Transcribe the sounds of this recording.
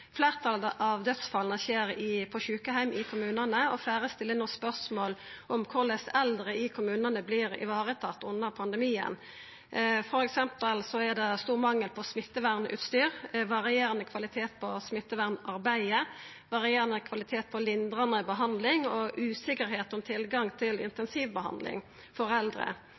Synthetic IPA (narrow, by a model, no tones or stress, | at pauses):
fleːʁt̪ʰɑlʔɑʋd̪œt̪sfɑlnəçeːɾɪpʰɔçʉːkəhæɪmɪkʰʊmʉːnɑnəɔfæːʁəst̪ɪlːənɔspœʁsmoːlʔɔmkʰʊʁlæsɛld̪ʁəɪkʰʊmʉːnɑnəbliːɾɪ̰ʋɑːʁət̪ʰɑt̪ːʊnːəʁpʰɑnd̪əɛmiːə̰n | fɔɾɛksɛmpəlsɔɛd̪ɛst̪uːʁmɑŋːəlpʰɔsmɪt̪ːəʋæʁnʉ̰ːt̪st̪yːɾʋɑʁɪeːʁənəkʰʋɑlɪt̪ʰeːt̪̚pʰɔsmɪt̪ːəʋæʁnɑɾbæɪə | ʋɑʁɪeːʁɑnəkʰʋɑlɪt̪ʰeːt̪̚pʰɔlɪnd̪ʁɑnəbəɦɑnd̪lɪŋɔʔʉːsɪkəɾɦeːt̪ɔmt̪ʰɪlɡɑŋt̪ʰɪlɪ̰nt̪ɛnsiːʋbəɦɑ̰nd̪lɪ̰ŋ | fɔɾɛld̪ɾə̰